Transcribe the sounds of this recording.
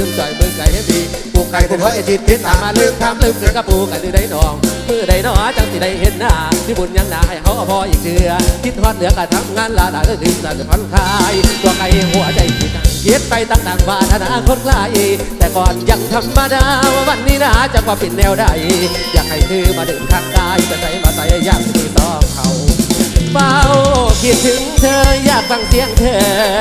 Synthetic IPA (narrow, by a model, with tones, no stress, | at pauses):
ɨ˧ŋt͡ɕɔː˨˩jbə˧ŋka˨jna˧˦t̪ʰi˧˩pu˨˩kːa˨˩jkʰo˧˩hɔ˨˦ja˧˩ti˧˥t̪̚ʰi˦˥t̚ːaː˨˩maː˧lɯ˧k̚t̪ʰa˧mlɨ˧k̚kɨ˨˧˦kaː˧˩pu˧˩ka˨jtɨː˧˦da˧jnɔː˨˩ŋmɨ˧˩ə˨da˧˩jnɔː˧˩˦a˧˦t͡ɕa˧˦ŋsi˨˩da˧jhe˧˥t̪̚naː˧˩ti˧˦bo˨˩nɲa˧ŋnaː˨˩ha˨˩jɦa˧˦wʔa˨˧˩pʰɔː˧ʔi˨˩k̚dɨ˧ək̪ʰi˦˥t̪̚hɔː˧˦˥t̚lɯ˨˦əklaː˨˧˩t̪ʰa˧mŋaː˧nlaː˨˧laː˨˩jt̪a˧˩t̪ʰɨ˨˧˩laː˨˩˧fʰa˧˦nkʰaː˧jt̪u˧ka˧jɦu˨˧˩ɐt͡ɕa˧˩jt̪ʰi˧˩t͡ɕa˧˩ŋkʰi˧˥ət̪̚pa˧jt̪aː˧˩ŋ̚t̪aː˨˩ŋbaː˧˩nʔa˧naː˧˥˧kʰo˧˥t̚laː˧˩jʔ | t̪ɛː˨˩kɔː˨˩nja˧˩ŋt̪ʰa˧mːaː˧daː˧wwa˧˩nnːiː˧˩naː˧˩˦t͡ɕa˧˩kwaː˧pe˨˩nːɛː˧wda˧˩j | jaː˨˩ŋ̚ha˧˨˩jt̪ʰɯː˧˩maː˧dɯː˨˩nt̪ʰaː˧˩ŋdaː˧˩jt̪aː˧˩nsa˧˩jmaː˨˧˩pa˧˩ja˧jaː˧˩k̚ːt̪iː˧˩t̪ɔː˧˩kʰa˧˩w | paː˧wkʰi˧˩t̪̚t̪ʰɯ˧˦ŋt̪ʰɤː˧jaː˧˩k̚fa˧ŋt̪ʰi˧˥əŋt̪ʰəː˧˩